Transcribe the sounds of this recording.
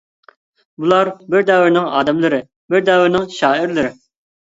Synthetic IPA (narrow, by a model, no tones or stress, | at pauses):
bulˠɑɾbɪɾd̪ɛwɪɾnɪŋɑ̰ːd̪ɛmlˠɨɾɪ | bɪɾd̪ɛwɪɾnɪŋʃɑːɪɾlɨɾɪ